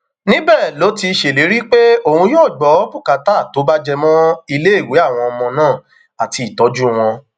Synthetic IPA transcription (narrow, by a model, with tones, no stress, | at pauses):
nĩ˦bɛː˦˨lo˨˦ti˧ʃe˨le˨˦ɾi˦k͡pe˦o˨ũ˧joː˦˨ɡ͡bɔ˨˦pu˦˨ka˨taː˦˨to˨˦ba˦d͡ʒɛ˧mɔ̃˦i˧le˦i˦˨we˨˦a˦˨w̃ɔ̃˧ɔ˧mɔ̃˧nãː˦˨ | a˨ti˨˧˨tɔ˨˦d͡ʒu˦w̃ɔ̃˧